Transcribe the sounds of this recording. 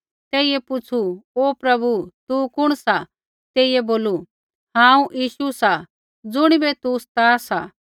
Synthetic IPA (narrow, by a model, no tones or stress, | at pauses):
t̪ɛːiɛpʊt͡sʰuoːpɾɐbut̪ukʊɽ̃sa | t̪eːijɛboːlu | hãːũʔjiːʃusa | d͡zʊɽ̃ibɛt̪ust̪aːsa